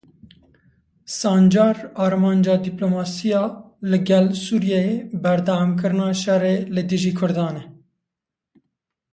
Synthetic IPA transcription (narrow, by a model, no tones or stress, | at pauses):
sɑːnd͡ʒɑːɾɑːɾmɑːnd͡ʒɑːd̪iploːmɑːsijɑː | lɪɡɛlsuːɾjɛebɛɾd̪ɑmkɨɾɨnɑːʃɛreːlɨd̪ɨʒiːkʰʊɾd̪ɑːnɛ